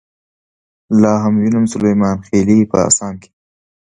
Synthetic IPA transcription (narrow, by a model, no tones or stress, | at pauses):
lɑːɦamwinamsʊlajmɑːnxeːlipə̰a̰sɑːnkʰe̥